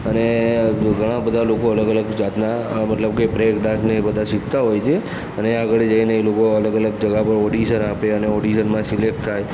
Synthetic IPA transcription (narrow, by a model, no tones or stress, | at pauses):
əneɡʱəɽ̃ãbəd̪ʱalokoələɡələɡd͡ʒat̪namət̪ləb̚kepɾekɖaʃnebəd̪ʱasɪkt̪aɦojt͡ʃʰe | əneaɡəɭed͡ʒəineːlokoələɡələɡ̚d͡ʒəɡapəɾɔɽiʃənapeəneɔɽiʃənmãsilek̚ʈt̪ʰaj